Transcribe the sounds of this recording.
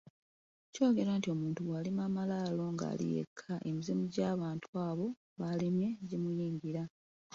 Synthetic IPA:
co̞ːɡe̞ɾaːntio̞muːntuɣwaːlimaːmalaːlo̞ŋɡa̰ːlḭje̞̰kʰːaʔemizimuɟaːβaːntʰuaːβo̞ | βalimje̞ɟimujiːŋɡiɾa

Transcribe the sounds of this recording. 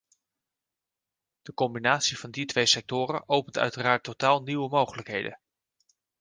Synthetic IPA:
d̥əkɔmbinaːtsiv̥ɑnditʋejsɛk̚tʊːɾə̰ʔowpəntœ̰ɥtəraːɹtːotaːlˠniwəmowχələkɦejdə̰n

